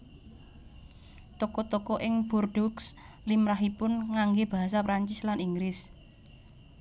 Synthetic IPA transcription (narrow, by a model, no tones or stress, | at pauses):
t̪ɔkɔt̪ɔkɔʔɪŋb̥urɖ̥ɔks | limɾaɦipʊnŋaŋɡeb̥a̤ɦasapɾaɲt͡ʃɪslaniŋɡɾɪs